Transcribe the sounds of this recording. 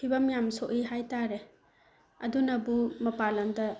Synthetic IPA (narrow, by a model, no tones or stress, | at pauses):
pʰibɐmjamsoʔiɦajtaɾe | ɐdunɐbumɐpalɐndɐ